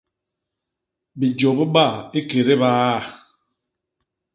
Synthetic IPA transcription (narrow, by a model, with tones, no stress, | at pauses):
bi˨d͡ʒɔ˨bi˦ɓa˦˨e˦ke˨ɾe˦baː˦˨